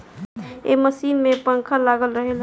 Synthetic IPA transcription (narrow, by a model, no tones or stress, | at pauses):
ḛməsinmepəŋkʰəlaɡəlɾəɦel